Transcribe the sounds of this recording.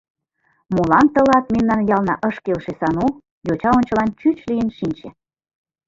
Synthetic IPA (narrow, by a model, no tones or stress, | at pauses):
molɑnt̪ə̆lɑt̪̚memnɑnjɑlnɑʔəʃkelʃesɑno | jot͡ɕɑonʲt͡ɕə̆lɑnt͡ɕyt͡ɕlijənʃinʲt͡ɕĕ